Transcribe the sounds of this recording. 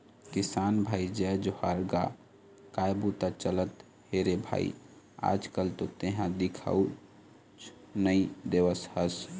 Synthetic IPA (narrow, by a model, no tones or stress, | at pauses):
kisanbʱaːid͡ʒɛd͡ʒohaɾɡa | kajbut̪at͡ʃələt̪ | heɾebʱa̰ḭ | a̰d͡ʒkəlt̪ot̪eɦãd̪ikʰa̰u | t͡ʃ | nəid̪eʋəshəs